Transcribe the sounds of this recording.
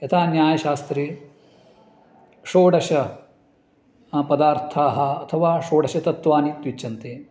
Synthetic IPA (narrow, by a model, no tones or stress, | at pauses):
jɐt̪ʰaːnjaːjɐʃaːst̪ɾeː | ʂoːɽɐʃɐ | pɐd̪aːɾt̪ʰaːɦɐ̆ɐt̪ʰɐʋaːʂoːɽɐʃɐt̪ɐt̪ʋaːnit̪ʋit͡ʃːt͡ʃːɐnt̪eː